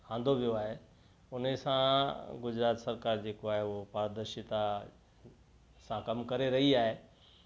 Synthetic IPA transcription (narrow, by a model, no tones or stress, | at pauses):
hãːnd̪ʱoʋijoaːɦe | ʊnesãɡʊd͡ʑɾaːt̪sɐɾkaːɾd͡ʑeːkoaːɦeʊɦopaːɾd̪əɾʃɪt̪a | sãkɐmkɐɾeɾɐɦiaːɦeː